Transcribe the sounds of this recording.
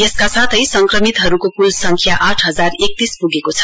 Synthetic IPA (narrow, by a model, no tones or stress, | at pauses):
jʌskasat̪ʰʌjsʌŋkrʌmit̪ɦʌɾukokulsʌŋkʰjaʔaʈʰɦʌd͡zarek̚t̪ispuɡekot͡sʰʌ̥